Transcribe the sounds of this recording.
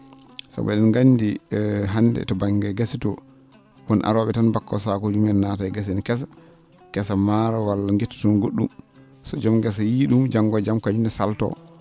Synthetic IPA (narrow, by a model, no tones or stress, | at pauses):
sa̰bɛɗɛnɡandiɦanːdɛ̰tɔbaŋɡɛɡasitɔ | wɔnʔa̰ɾɔɓɛtanbakːɔ̰sakod͡ʒumɛnnatajɡas̬inkɛs̬ḁ | kɛsamaɾawalːaŋɡetːu̥tɔnɡoɗːum | sɔd͡ʒɔmɡɛsajiɗumd͡ʒaŋɡɔd͡ʒamkad͡ʒunɛsaltɔ̰